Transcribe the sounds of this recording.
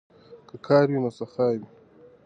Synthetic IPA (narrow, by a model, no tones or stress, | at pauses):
kəkʰɑːɾwinosaxɑwi